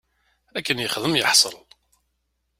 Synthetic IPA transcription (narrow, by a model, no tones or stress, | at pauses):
ækːənjəχðəmjəħsˤə̰l